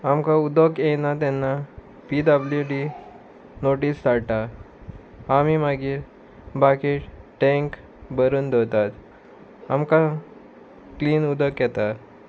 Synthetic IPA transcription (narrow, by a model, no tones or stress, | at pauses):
amkaud̪əkjɛnat̪̬ɛnːa | piːd̪abljuɖi | noʈiːsd̪aɽʈa | amimaɡiːɾ | bakiːɾʈɛ̃ŋk | bəɾuːnd̪ʱəwt̪at̪ | amka | kliːnud̪əkjɛt̪a